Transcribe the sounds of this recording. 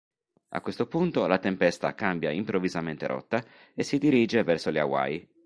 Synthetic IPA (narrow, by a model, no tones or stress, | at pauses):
a̰kːwest̪opunt̪olat̪empɛst̪a̰kambjaimpɾovizament̪eɾɔ̰t̪ːa | esid̪iɾiːd͡ʒevɛrsolea̰wa̰j